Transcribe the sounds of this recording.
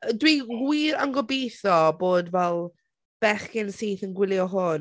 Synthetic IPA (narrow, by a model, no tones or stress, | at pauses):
dwiɡwiːɾanɡɔbiːθɔboːdvɛlˠ | b̥ɛχkɪnsiːθənɡwɪlˠjɔɦʊn